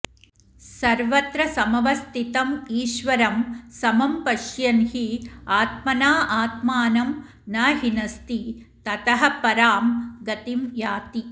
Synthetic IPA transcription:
sɐɾʋɐt̪ɾɐsɐmɐʋɐst̪it̪ɐmiːʃʋɐɾɐmsɐmɐmpɐʃjɐnhiaːt̪̚mɐnaːʔaːt̪maːnɐm | nɐɦinɐst̪it̪ɐt̪ɐɦɐ̆pɐɾaːmɡɐt̪imjaːt̪i

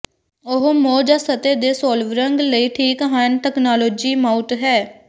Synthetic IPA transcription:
ʊɦmoːd͡ʒaːsət̪eːd̪eːsoːlʋɾəŋɡləiːʈʰiːkɦaːnʈɛːknaːloːd͡ʒiːmaːʊʈɦɛː

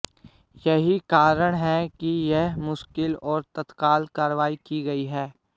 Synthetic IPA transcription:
jɐɦikaːɾəɽ̃ɦɛkijɛɦmʊʃkɪlɔːɾt̪ɐt̪kaːlkaːɾʋaːikiɡɐiɦɛː

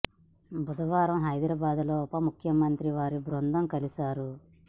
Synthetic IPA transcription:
bud̪ɐʋaːɾɐmɦɐjd̪ɾaːbaːd̪loːpɐmukʰjɐmɐnt̪ɾiʋaːɾibɾond̪ɐmkɐlisaːɾu

